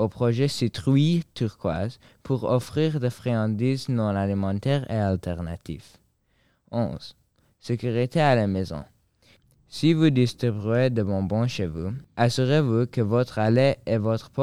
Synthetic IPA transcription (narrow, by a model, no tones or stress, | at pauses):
opχɔʒɛsit̪χɥit̪yʁkwa̰z | pʰuʁɔ̰fχiʁd̪efχeɑ̃d̪iznɔ̃nalimɑ̃t̪ɛʁḛalt̪ʰɛʁna̰t̪ʰḭf | ɔ̰̃z̥ | sekyʁit̪ʰealamezɔ̰̃ | sivud̪ist̪χibɥed̪əvɔ̃bɔ̃ʃevuasyʁevukəvɔt̪χaleevɔt̪χəpɔ